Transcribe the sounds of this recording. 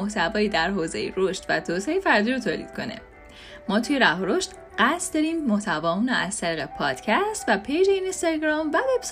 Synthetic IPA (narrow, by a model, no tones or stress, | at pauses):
oht̪ʰævɒːjiːd̪æɾɦoːzḛjeɾoʃt̪væt̪ʰoːseejefæɾd̪iːɾot̪ʰoːlḭːd̪̥̚kʰo̞̰ne̞̰ | mɒːt̪ʰujeɾæɦoɾoʃt̪ | ɢ̥æsd̪ɒːɾiːmmoht̪ʰævɒːmunɒæz̥t̪ʰæɾiːɣepʰɒːd̪̥cʰæst̪væpʰejd͡ʒeinest̪eɡɾɒːmvæve̞bs